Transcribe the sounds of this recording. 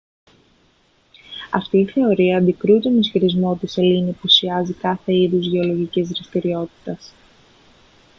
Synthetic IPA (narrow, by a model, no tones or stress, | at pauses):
ɐ̰ft̪iːθe̞o̞ɾiɐːnd̪ikɾut̪onisçiɾizmo̞t̪ise̞linipusiɐzikɐθe̞iðuzʝe̞o̞lo̞ʝicizðɾist̪iɾio̞t̪i̥t̪ɐs